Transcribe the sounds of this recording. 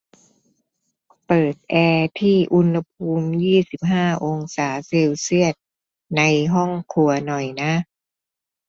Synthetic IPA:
pɤː˨˩t̪̚ʔɛː˧t̪ʰiː˥˩ʔu˧nha˧pʰuː˧mjiː˥˩si˨˩p̚ɦaː˥˩ʔo˧ŋsaː˩˦se˧wsi˥˩ət̪̚ | na˧jɦɔ˥˩ŋkʰu˧ɐnɔ˨˩jna˦˥

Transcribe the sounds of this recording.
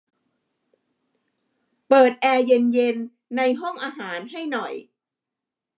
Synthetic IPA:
pɤː˨˩t̪̚ʔɛː˧je˧nje˧nː | a˧jɦɔ˥˩ŋʔaː˧ɦaː˩˦nɦa˥˩jnɔ˨˩j

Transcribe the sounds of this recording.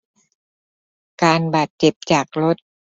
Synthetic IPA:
kaː˧nbaː˨˩t̪̚t͡ɕe˨˩p̚t͡ɕaː˨˩k̚lo˦˥t̪̚

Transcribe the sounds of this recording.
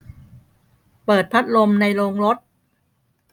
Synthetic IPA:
pɤː˨˩t̪̚pʰa˦˥t̪̚lo˧mna˧jɾoː˧ŋɾo˦˥t̪̚

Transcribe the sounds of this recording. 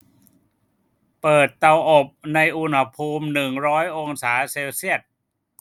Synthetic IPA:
pɤː˨˩t̪ːa˧wʔo˨˩p̚na˧jʔu˧nha˧pʰuː˧mnɯ˨˩ŋɾɔː˦˥jʔo˧ŋsaː˩˦seː˧wsi˥˩ət̪̚

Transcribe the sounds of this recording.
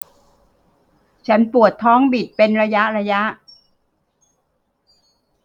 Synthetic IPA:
t͡ɕʰa˦˥npu˨˩ət̪ʰːɔː˦˥ŋbi˨˩t̪̚pe˧nɾa˧ja˦˥ʔɾa˧ja˦˥ʔ

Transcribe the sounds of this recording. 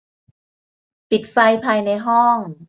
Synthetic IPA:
pi˨˩t̪̚fa˧jpʰaː˧jna˧jɦɔ˥˩ŋ

